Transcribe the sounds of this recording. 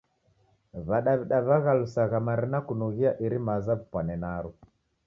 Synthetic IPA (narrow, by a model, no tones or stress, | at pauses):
βaɗaβiɗaβaɣalusaɣamaɾinakunuɣiaʔiɾimazaβupwanɛnaɾu